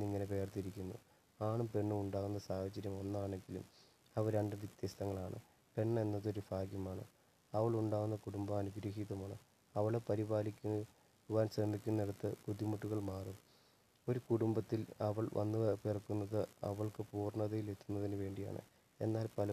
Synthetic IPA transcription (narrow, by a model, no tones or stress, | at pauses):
iŋːɐnepe̞ːrt̪iɾikʲːunːṵ | aːɳumpe̞ɳːumuɳɖaːɣunːɐsaːhɐt͡ɕːɐɾjɐmo̞nːaːɳe̞ŋɡilṵm | ɐʋɐɾɐɳɖɨʋit̪jeːst̪ɐŋːɐɭaːɳɨ̰ | pe̞ɳːɐenːɐðo̞ɾufaːɡjɐmaːɳɨ̰ | ɐʋɐɭuɳɖaːɣunːɐkuɽumbɐmɐnuɡɾɐːɦiðɐmaːɳɨ̰ | ɐʋɐɭe̞pɐɾibaːlikʲːu | ʋaːnɕrɐmːikʲːunːeɽut̪ːɨkuðimuʈːuɣɐɭmaːrum | o̞ɾukuɽumbɐt̪ːilɐʋɐɭʋɐ̰nːɨperɐkːunːɐðɨɐ̰ʋɐɭkɨpuːrɳɐðɐjile̞t̪ːunːɐðinɨʋe̞ːɳɖija̰ːɳɨ̰ | e̞nːaːlpɐlɐ